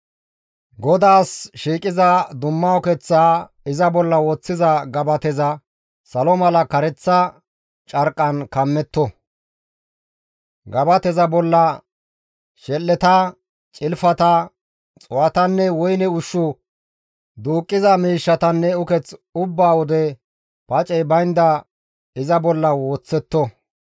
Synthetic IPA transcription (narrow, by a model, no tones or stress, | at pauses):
ɡɔd̪aːsʃiːkʼɪzɐd̪ʊmːɐʊkɛt͡sːaː | ɪzɐbɔlːɐwɔt͡sːɪzɐɡɐbɐt̪ɛzɐ | sɐlɔmɐlɐkɐɾɛt͡sːɐ | t͡ʃʼɐɾkʼːɐnkɐmːɛt̪ːɔ | ɡɐbɐt̪ɛzɐbɔlːɐ | ʃɛlːɛt̪ɐ | t͡ʃʼɪlfɐt̪ɐ | t͡sʼʊwɐt̪ɐnːɛwɔjnɛʊʃːʊ | d̪uːkʼːɪzɐmiːʃːɐt̪ɐnːɛʊkɛt͡sʊbːaːwɔd̪ɛ | pɐt͡ʃʼɛjbɐjnd̪ɐ | ɪzɐbɔlːɐwoːt͡sːɛt̪ːɔ